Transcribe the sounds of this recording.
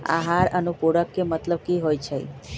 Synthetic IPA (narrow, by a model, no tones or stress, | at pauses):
a̰ɦaɾənupoɽəkːemət̪ləb̚kiɦojt͡ʃʰḛ